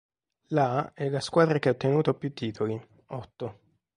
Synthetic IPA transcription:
laɛlːaskwaːd̪ɾakeɛot̪ːenuːt̪opːjut̪ːiːt̪ʰoli | ɔt̪ːo

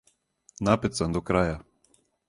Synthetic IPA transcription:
napɛt̪sand̪ɔkɾaːja

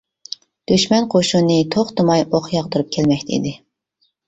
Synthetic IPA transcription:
d̪̥yʃmɛnqʰoʃunːɨt̪ʰoχt̪ɨmɑjoχjɑʁd̪ɨɾup̚kʲʰɛlmɛk̚ʲt̪ʰɛḭd̪ɪ

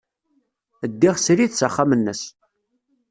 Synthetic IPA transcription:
əd̪ːiʁsɾiθsəχːamənːəs

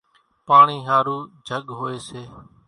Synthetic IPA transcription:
paːɳiːɦaːɾuːd͡ʒʱəɠɦoːeːseː

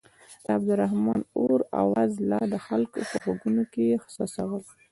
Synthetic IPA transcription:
d̪̥əab̚d̪ʊɾaɦmɑnoɾa̰wazlɑd̪əxalkopəxaɡunokejexsɑsawəl

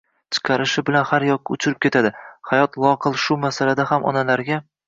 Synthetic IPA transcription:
t͡ʃʰɨ̥qʰɑɾɪʃɪbɪlanhaɾjɒk̚ːaʊt͡ʃʰʊɾɪp̚kʲʰe̞t̪ʰad̪ɪhajɒt̪lˠɒqɨlˠʃʊmasalad̪ahamʔɒ̰nalaɾɡʲa

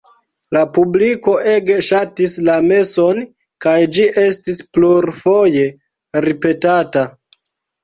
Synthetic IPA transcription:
lapubliko̞ʔe̞ɡeʃatislame̞so̞n | kajd͡ʒiʔe̞stispluɾfo̞je̞ | ɾipe̞tata

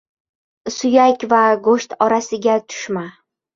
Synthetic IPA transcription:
sʊjakʲvaɡoʃt̪ʰɒɾasɪɡʲat̪ʰʊ̥ʃma

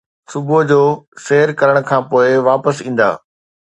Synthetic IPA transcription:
sʊbʱʊɦd͡ʑoːseɦəɾkɐɾəɽ̃̆kʰãːpoːɪʋaːpəsĩːn̆d̪a̰ː

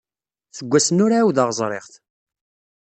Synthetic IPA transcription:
θəɡʷːæsənʊɾawðɑʁəzˤɾˤḛʁθ

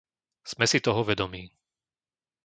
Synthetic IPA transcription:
z̥mɛsit̪ɔɦɔʋɛd̪ɔmiː

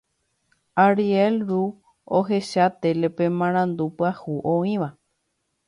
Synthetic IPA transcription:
aɾielɾu | oɦe̞ʃat̪elepẽmãɾ̃ãnd̪upɨahuʔõĩʋa

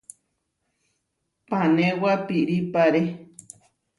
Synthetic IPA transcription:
panẽwapiʔɾipaɾe

